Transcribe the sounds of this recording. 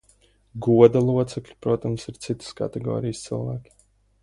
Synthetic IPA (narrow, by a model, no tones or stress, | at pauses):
ɡuɔd̪alˠuɔt̪sɛklʲipɾuɔt̪amsiɾt̪sit̪ɨ̥ska̰t̪ɛɡɔ̰ːɾijst̪sḭlˠvæːkʲi̥